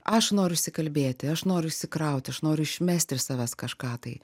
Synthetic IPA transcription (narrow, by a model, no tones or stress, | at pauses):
ʔɐʃnoːɾʲʊɪʃʲsʲɪkɐlʲbʲeːt̪ʲɪɐʃnoːɾʲʊɪʃʲsʲɪkɾɐʊt̪ʲɐʃnoːɾʲʊɪʃʲmʲæsʲt̪ʲɪsɑːʋʲæskɐʃkɑːt̪ɐɪ